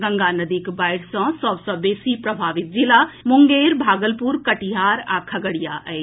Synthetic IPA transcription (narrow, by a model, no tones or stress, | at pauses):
ɡə̃ŋɡaːnəd̪ikbaːɪɽsɔ̃sɔbsɔbeːsipɾɐbʱaːʋɪt̪̚d͡ʒilamʊŋɡeːɾbʱaːɡəlpuɾkɐʈiɦaːɾaːkʰɐɡəɽijaʔɛ